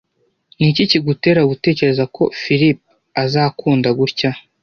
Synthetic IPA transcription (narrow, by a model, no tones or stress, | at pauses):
niciciɡute̞ɾaɡute̞ːce̞ɾe̞zako̞̰fiɾip̚ | azaːkuːndaɡuɾca